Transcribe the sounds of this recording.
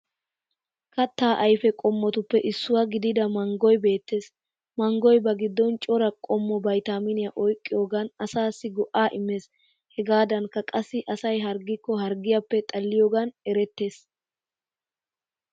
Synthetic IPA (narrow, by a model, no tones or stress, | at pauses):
kɐt̪ːaːʔɐjfɛkʼɔmːɔt̪ʊpːɛʔɪsːʊwɐɡɪd̪ɪd̪ɐmɐŋɡɔjbe̞ːt̪ːe̞ːs | mɐŋɡɔjbɐɡɪd̪ːɔnt͡ʃʼɔɾɐkʼɔmːɔbɐjt̪aːmɪnɪjɐʔɔjkʼːɪjoːɡɐnɐsaːsːɪɡɔʔaːʔɪmːe̞ːs | hɛɡaːd̪ɐnkːɐkʼɐsːɪʔɐsɐjɦɐɾɡɪkːɔɦɐɾɡɪjapːɛt̪ʼɐlːɪjoːɡɐnɛɾɛt̪ːe̞ːs